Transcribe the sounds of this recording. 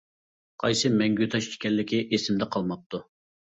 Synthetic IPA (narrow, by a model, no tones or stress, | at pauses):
qʰɑjsɨmɛŋɡʲyt̪ʰɑʃt͡ʃʰi̥kʲɛlːɪkʲiʔesɪmd̪ɛqʰɑlˠmɑp̚t̪u